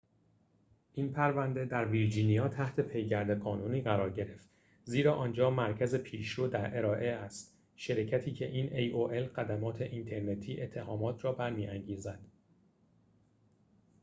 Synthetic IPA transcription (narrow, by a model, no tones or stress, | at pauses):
ʔiːnpʰæɾvænd̪e̞d̪æɾviɾd͡ʒinijɒːt̪ʰæht̪ʰe̞pʰe̞jɟæɾd̪e̞ɣɒːnuniːɣæɾɒːɾɟe̞ɾe̞ft̪ | ziːɾɒːʔɒːnd͡ʒɒːmæɾcʰæze̞pʰiːʃoːd̪æɾʔe̞ɾɒːʔe̞æst̪ | ʃeɾecʰæt̪ʰiːcʰe̞̰ʔiːnʔejoʔelɣæd̪æmɒːt̪ʰe̞ʔint̪ʰe̞ɾne̞t̪ʰiːʔe̞t̪ʰːe̞hɒːmɒːt̪ʰɾɒːbæɾmiːʔæŋɟiːzæd̪̥